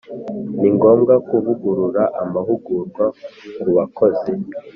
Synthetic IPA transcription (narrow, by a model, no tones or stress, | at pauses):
niŋɡo̞ːmɡakuvuɡuɾuɾaʔamaɦuɡuɾɡwauɾuβakoze